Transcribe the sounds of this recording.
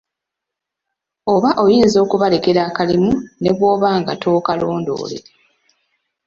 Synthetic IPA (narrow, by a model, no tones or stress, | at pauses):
o̞βaʔo̞jiːnzo̞ːkuβale̞ke̞ɾaːkalimune̞βwo̞ːβaːŋɡatʰo̞ːkalo̞ːndo̞̰ːlḛ